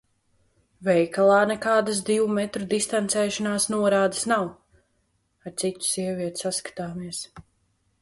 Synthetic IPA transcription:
vɛjkalˠaːnɛkaːd̪as̬d̪iwumɛt̪ɾud̪ist̪ant̪sɛːʃanaːsnuɔɾaːd̪asnaw | aɾt̪sit̪u̥siɛvʲiɛt̪ʲsaskḁt̪aːmiɛs

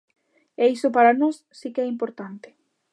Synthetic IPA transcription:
ɛisʊpaɾanɔsːikɛimpoɾt̪ant̪e̥

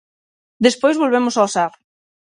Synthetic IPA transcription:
d̪espojzβolβ̞emʊsaosaɾ

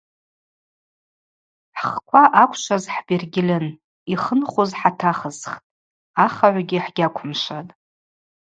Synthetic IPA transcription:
ħχkʷʰaʔakʷʰʃʷʰazħbirɡʲɪlɨn | iχənχozħatʰaχəzχtʼ | aχaʕʷɡʲiħɡ̥ʲakʷʰʊmʂatʼ

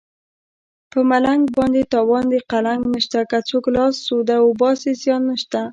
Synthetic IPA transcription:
pəmalaŋɡbɑnd̪et̪ɑwɑnd̪eqalaŋɡnəʃt̪akat͡soklɑsːod̪aobɑsesjɑnːəʃt̪a

